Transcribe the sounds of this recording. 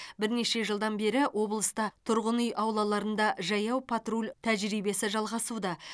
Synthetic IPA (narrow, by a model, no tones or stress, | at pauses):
bɪɾneʃe̞ʒəlˠd̪ɑnbe̞ɾɪwʔo̞blˠəst̪ɑt̪ʰʊɾʁənyjʔɑwlˠɑlˠɑɾənd̪ɑʒɑjɑwpʰat̪rulʲt̪ʰæʒɾijbe̞sɪʒɑlˠʁɑsud̪ɑ